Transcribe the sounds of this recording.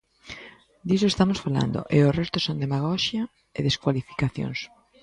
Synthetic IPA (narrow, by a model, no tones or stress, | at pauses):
d̪isoest̪amosfala̰nd̪o̰ʔeorest̪osõnd̪emaɣ̞ɔʃja | eðeskwalifi̥kaθjo̰ŋs